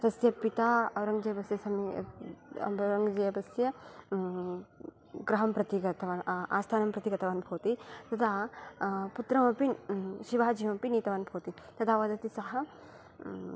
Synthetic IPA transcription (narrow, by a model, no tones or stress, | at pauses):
t̪ɐsjɐpit̪aːɐɾɐŋɡd͡ʒɐjɐbɐsjɐsɐmḭ | ɾɐŋɡd͡ʒɐjɐbɐsjɐ | ɡɾɐɦɐmpɾɐt̪iɡɐt̪ɐʋaːnʔa̰ːst̪ʰaːnɐmpɾɐt̪iɡɐt̪ɐʋaːnbʱoːt̪it̪ɐd̪ʰaː | put̪ɾɐmɐpiʃiʋaːd͡ʒijmɐpiniːt̪ɐʋaːnbʱoːt̪i | t̪ɐd̪ʰaːʋɐd̪ɐt̪isɐɦɐ